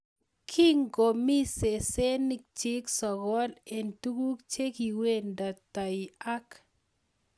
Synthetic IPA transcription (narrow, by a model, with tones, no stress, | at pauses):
kʰi˦ŋɡo˨mi˦se˨se˦ni˦k̚t͡ʃi˦ksɔ˨ɣɔ˦le˨ntu˦ɡu˦kt͡ʃe˦ki˨we˦˨nda˨ta˨i˨a˦k